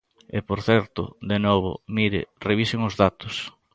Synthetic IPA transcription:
ɪpoɾθɛɾt̪ʊ̰ðenɔβʊ̰miɾɪ̰reβisɪŋʊzðat̪ʊs

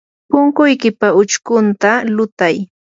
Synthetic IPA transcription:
pʊŋkʊjkɪpaʊt͡ʃkʊnt̪alʊt̪aj

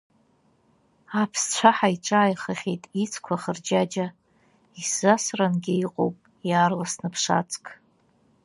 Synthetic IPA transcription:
apʰst͡ɕʷʰaħaiʈ͡ʂʼaːjχəχʲejtʼit͡sʰkʷʰaχərd͡ʒad͡ʒa | iszasranɡʲɪiqʼo̰wpʼ | jaːrlasnɨpʰʂa̰t͡sʰʼkʼ

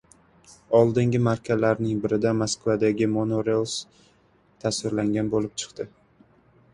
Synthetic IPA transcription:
ɒlˠd̪ɪŋɡʲɪmaɾkʲʰazlaɾnɪŋbɪɾɪd̪amaskvad̪aɡʲɪmonoɾelˠs | t̪ʰasvɪɾlaŋɡʲanbolɪp̚t͡ʃʰɨ̥qt̪ɪ

